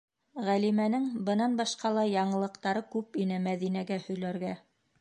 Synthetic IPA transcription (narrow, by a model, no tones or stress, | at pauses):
ʁælimænɘŋbɤ̆nɑnbɑʃqɑlˠɑjɑɴɤ̆lˠɤ̆qt̪ɑɾɤkʉpinɘmæðinæɡæhɵ̆jlæɾɡæ